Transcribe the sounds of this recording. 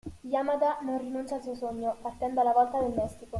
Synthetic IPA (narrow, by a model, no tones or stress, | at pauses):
jamad̪anonrinunt͡ʃalsuosoɲːopart̪ɛnd̪oalːavɔlt̪ad̪elmɛst̪iko